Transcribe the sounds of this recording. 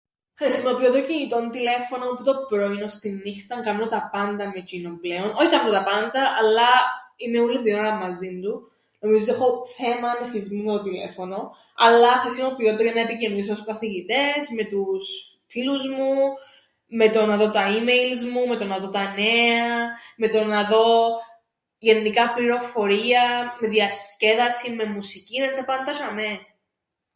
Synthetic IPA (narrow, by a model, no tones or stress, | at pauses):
xɾisimo̞pio̞t̪ocinit̪o̞nt̪ile̞fo̞noput̪o̞pɾo̞ino̞st̪inːixt̪ɐŋkɐmnot̪ɐpɐnd̪ɐmet͡ʃinomple̞o̞noçit̪ɐpɾot̪ɐpɐnd̪ɐʔɐlːɐimeulːind̪ioɾɐmɐzind̪u | no̞mizoiexo̞θe̞mɐnefizmimet̪ot̪ile̞̰fo̞no̞ | ɐlːɐxɾisino̞pio̞t̪eɾojɐanɐepicenðis̬ooskɐθiʝit̪e̞zme̞t̪us | filuzmu | me̞t̪o̞nɐðo̞t̪ɐimejlzmume̞t̪o̞nɐðo̞t̪ɐne̞ɐme̞t̪o̞nɐðo̞ | ʝe̞nːikɐpliɾo̞fo̞ɾiɐme̞ðiɐsce̞ðɐsime̞musiciðend̪ɐpɐnd̪ɐʃɐme